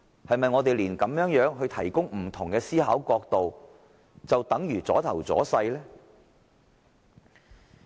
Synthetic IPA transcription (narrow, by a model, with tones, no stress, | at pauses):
hɐ˨jmɐ˨jŋɔː˨˧t̪e˨jliː˨˩nkɐ˨˥mjœː˨˥ŋjœː˨˥ŋɦɵ˧ɥt̪ʰɐ˨˩jkʊ˥ŋm̩˨˩t̪ʰʊ˨˩ŋkɛː˧siː˥ha̰ː˨˥wkɔː˧k̚t̪o˨w | t͡sɐ˨wt̪ɐ˨˥ŋjyː˨˩t͡sɔː˨˥t̪ʰɐ˨˩wt͡sɔ̰ː˨˥sɐ˧jlɛː˥